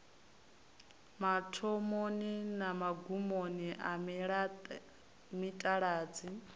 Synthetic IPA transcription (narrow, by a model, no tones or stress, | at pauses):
matʰɔmoninamaɡumoniʔamiɺa | mitʼaɺaːd͡zi